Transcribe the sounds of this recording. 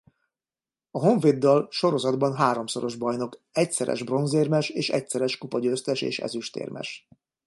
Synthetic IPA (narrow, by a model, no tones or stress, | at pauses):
ɒɦo̞ɱveːd̪ːɒlʃo̞ɾo̞zɒd̪bɒnɦaːɾo̞mso̞ɾo̞ʒbɒjno̞kɛcsɛɾʔɛ̰ʒbro̞nzeːrmɛʃeːʃɛ̰csɛɾɛʃkupɒɟøːst̪ɛʃḛːʃɛ̰zyʃt̪ḛːrmʔɛ̰ʃ